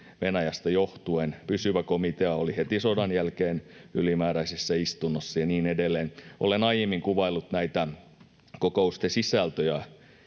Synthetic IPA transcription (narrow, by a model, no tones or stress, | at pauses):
ʋenæjæst̪ɑjoht̪uenpysyʋækomit̪eɑolihet̪isodɑnjælkeːnylimæːɾæisesːæist̪unːosːɑjɑniːnedelːeːnʔo̰lenɑijemːiŋkuʋɑilːut̪næit̪æ | kokoust̪esisæˑlt̪øjæ